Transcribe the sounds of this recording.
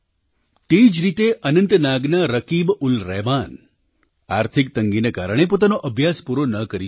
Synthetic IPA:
t̪eid͡ʒɾit̪eʔənənt̪naɡnaɾəkibulɾɛman | a̰ɾt̪ʰik̚t̪əŋɡinekaɾəɽ̃epot̪anoʔəbʱjaspuɾonəkəɾi

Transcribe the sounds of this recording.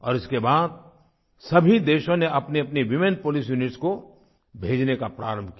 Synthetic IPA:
ɔ̰ːɾɪskebaːd̪̚ | sɐbʱid̪eːʃõneɐpniɐpniʋɪmẽn̚poːlisjunɪʈsko | bʱeːd͡ʒnekapɾa̰ːɾə̃mbʱkija

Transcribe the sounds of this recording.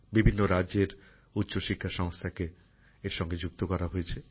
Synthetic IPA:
bibʱinːoɾaʑeɾ | ut̪ːɕoʃikʰːaʃɔŋst̪ʰake | eɾʃɔŋɡed͡ʑuk̚t̪okɔɾaɦoet͡ɕʰe

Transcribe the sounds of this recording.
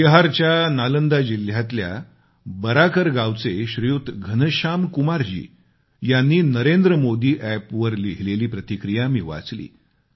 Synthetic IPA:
iɦaɾt͡ɕjanalənd̪ad͡ʑil̤jat̪lja̰ | bəɾakəɾɡawt͡seɕɾijut̪ɡʱənəɕamkumaɾd͡ʑḭː | janːiːnəɾend̪ɾəmod̪iːʔæpʋəɾliɦleliːpɾət̪ikɾijamiːʋa̰t͡slḭː

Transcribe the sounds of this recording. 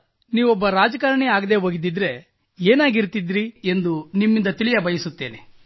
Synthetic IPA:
niːʋɔbːɐɾaːd͡ʒɐkaːɾɐɳeaːɡɐd̪e̞ːɦoːɡid̪id̪ːɾe̞ | eːnaːɡiɾt̪id̪ɾiend̪unimːind̪ɐt̪ilijɐbɐjɐsut̪ːe̞ːne

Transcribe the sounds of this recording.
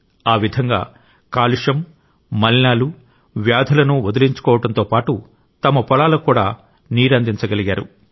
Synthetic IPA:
aːʋid̪ʱɐŋɡa̰ː | kaːliʂɐmː | ɐlinaːlu | ʋjaːd̪ʱɐlɐnuod̪ɐliɲt͡ʃu̥kɔːʋɐʈɐnt̪oːpaːʈu | t̪ɐmɐpɔlaːlɐkuːɽaː | niːɾɐnd̪ʱiɲt͡ʃɐɡɐliɡaːɾṵ

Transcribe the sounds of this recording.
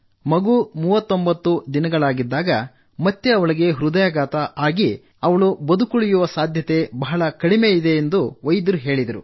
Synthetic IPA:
mɐɡumuːʋɐt̪ːo̞mbɐt̪ːud̪inɐɡɐɭaːɡid̪ːaːɡɐ | mɐt̪ːeɐʋɐɭiɡe̞ɦɾud̪ɐjaɡaːt̪ɐʔaːɡi | ɐʋɐɭubɐd̪ukuɭijuʋɐsaːd̪ʱjɐt̪e̞bɐɦɐɭɐkɐɽime̞id̪e̞ːnd̪uʋɐjd̪ɐɾuɦe̞ːɭid̪ɐɾu

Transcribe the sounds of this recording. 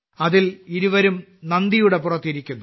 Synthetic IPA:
ɐðiliɾuʋɐɾumnɐnd̪ijuɽe̞purɐt̪ːiɾikʲːunːu

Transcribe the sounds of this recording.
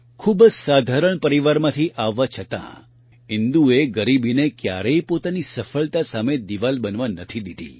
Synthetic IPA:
kʰubsad̪ʱaɾəɳpəɾiʋaɾmãt̪ʰiʔaʋːat͡ʃʰət̪ã̰ | ɦɪnd̪ueɡəɾibʱinekja̰ɾəipot̪anisəfəɭt̪asamed̪iʋalbənʋãnət̪ʰid̪id̪ḭ

